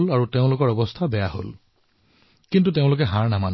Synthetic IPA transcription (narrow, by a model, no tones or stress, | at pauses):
laɹuteʊ̃lʊkɔɹɔbɔstʰabɛjaɦo̰l | kintuteʊ̃lʊk̬ɛɦaɹnaman